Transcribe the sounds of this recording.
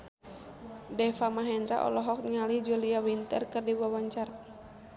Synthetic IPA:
dɛfamaɦɛnd̪ɾa̰ʔɔ̰lɔɦɔk̚ɲalihd͡ʒuliawint̪ərkɨrdibuawaɲt͡ʃaɾa

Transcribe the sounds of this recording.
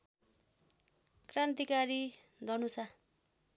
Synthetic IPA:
krant̪ikaɾi | d̪ʱʌnusa

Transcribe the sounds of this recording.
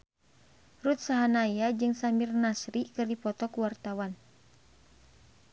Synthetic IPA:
rut̪̚saɦanajad͡ʒɨŋsamirnasɾikɨrdipɔt̪ɔkuwart̪awan

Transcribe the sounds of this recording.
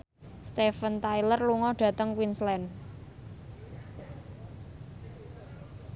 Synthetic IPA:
st̪efənt̪ailərluŋɔɖ̥ä̤t̪əŋkwinslɛn

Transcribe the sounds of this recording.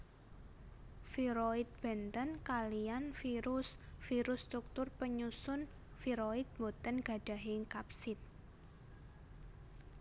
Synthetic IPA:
fiɾoit̪̚b̥ɛ̤nt̪ənkalianfiɾʊsfiɾʊsːt̪ɾuk̚t̪ʊrpəɲusʊn | fiɾoid̪̚mot̪ənɡ̥a̤ɖ̥a̤ɦeŋkap̚sɪt̪̚

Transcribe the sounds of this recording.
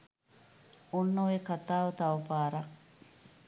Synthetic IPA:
unːuʋekɐt̪aːʋɐt̪ɐʋɐfaːɾɐ

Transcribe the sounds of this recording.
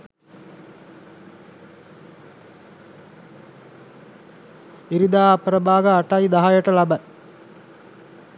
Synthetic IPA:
iɾid̪aːpɾəbaːɡəːʈajd̪aɦajəʈəlabə

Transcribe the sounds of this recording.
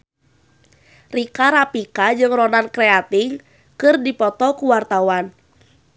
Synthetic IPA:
rikaɾapikad͡ʒɨŋrɔnankɾɛat̪iŋ | kɨrdipɔt̪ɔkuwart̪awan

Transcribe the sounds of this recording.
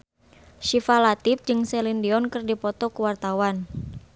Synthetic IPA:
ʃifalat̪ɪp̚d͡ʒɨŋsɛlindiɔnkɨrdipɔt̪ɔkuwart̪awan

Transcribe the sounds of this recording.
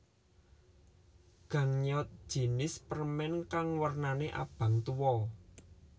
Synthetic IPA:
ɡ̥ä̤ŋɲɔt̪̚d̥ʒ̥i̤nɪspəɾmɛnkaŋwərnaneʔa̰b̥a̤ŋt̪uwɔ

